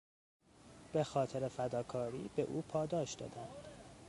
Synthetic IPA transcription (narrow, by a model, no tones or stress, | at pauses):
b̥e̞xɒːt̪ʰeɾefæd̪ɒːkʰɒːɾḭːbe̞ʔuːpʰɒːd̪ɒːʃd̪ɒ̰ːd̪ænd̪̥